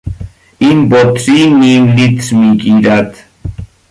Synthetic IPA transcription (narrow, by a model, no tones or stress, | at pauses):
inbot̪sininlit̪smikʼiɾat̪